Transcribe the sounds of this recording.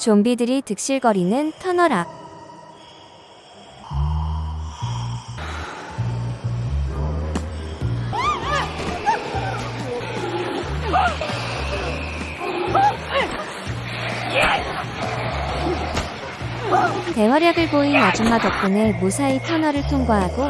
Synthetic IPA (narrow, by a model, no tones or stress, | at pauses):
t͡ɕombidɯɾitɯk̚ɕ͈iɭɡʌɾinɯntʰʌnʌɾa | te̞wʌɾjaɡɯɭboinad͡ʑɯmːatʌp̚k͈ɯne̞musʰaitʰʌnʌɾɯɭtʰoŋɡaɦaɡo